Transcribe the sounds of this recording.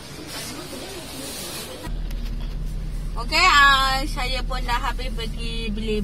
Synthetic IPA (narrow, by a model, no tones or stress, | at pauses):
okeasajəpʊnlaɦabɪsbəɡibile